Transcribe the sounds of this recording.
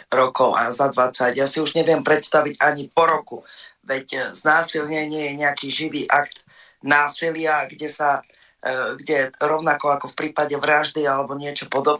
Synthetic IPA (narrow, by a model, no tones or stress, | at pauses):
ɾɔkɔʊʔa̰zad̪ʋat͡sacjaːsiuʒɲɛʋɪɛmpɾɛt̪st̪aʋiɟaɲipɔɾɔkuʋɛcznaːsilɲɛɲɪɛjɛɲɛakiːʒiʋiːʔakt̪ | naːsilɪaɡɟɛsa | ɡɟɛɾɔʊnakɔakɔfpɾiːpaɟɛʋɾaʒd̪ialɛbɔɲɪɛt͡ʃɔpɔd̪ɔb